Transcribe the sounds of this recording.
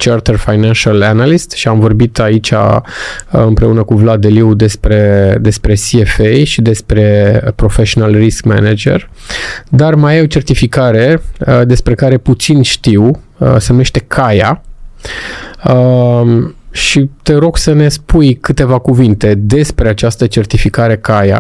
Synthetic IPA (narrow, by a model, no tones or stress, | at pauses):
t͡ʃart̪ərfajnanʃalanalist̪ʃiamvo̞rbit̪ait͡ʃʲa̰ | ɨmpɾe̞unəkuvlad̪e̞liwd̪e̞spɾe̞d̪e̞spɾe̞siefejʃid̪e̞spɾe̞pɾo̞feʃonalriskmḛned͡ʒe̞̰r | d̪armajawt͡ʃe̞rt̪ifikaɾe̞d̪e̞spɾe̞kaɾe̞put̪sinʃt̪iw | əsenume̞ʃt̪e̞kʰaja | ə | ʃit̪e̞ɾo̞ɡsəne̞spujkɨt̪e̞vakuvint̪e̞d̪e̞spɾe̞at͡ʃast̪ət͡ʃe̞rt̪ifikaɾe̞kaja̰